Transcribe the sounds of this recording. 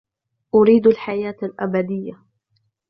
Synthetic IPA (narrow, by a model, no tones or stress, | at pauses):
ʔʊɾiːd̪alħajaːt̪alʔabad̪ɪjːa